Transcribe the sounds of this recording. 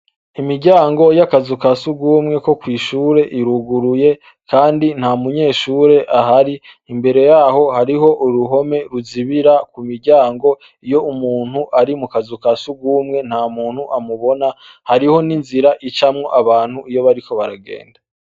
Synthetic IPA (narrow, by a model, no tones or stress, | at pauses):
imiɟaːŋɡo̞jakazukasuɡuːmŋe̞ko̞kwiːʃuːɾe̞ʔiɾuɡuɾuje̞ | kaːndin̥hamuɲe̞ːʃuːɾe̞ʔaɦaɾi | imbe̞ɾe̞jaːɦo̞haɾiɦo̞ʔuɾuɦo̞me̞ɾuziβiɾakumiɾɟaːŋɡo̞ | ijo̞umuːn̥huʔaɾimukazukasuɡuːmŋe̞n̥hamuːn̥huʔamuβo̞na | haɾiho̞ninziɾaʔit͡ʃamŋo̞ʔaβaːn̥huʔijo̞βaɾikʰo̞βaɾaɡe̞̰ːnda